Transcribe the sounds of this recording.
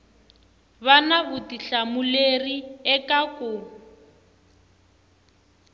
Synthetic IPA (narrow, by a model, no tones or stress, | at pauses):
βanaβʊtiɬamuleriɛkʼakʼʊ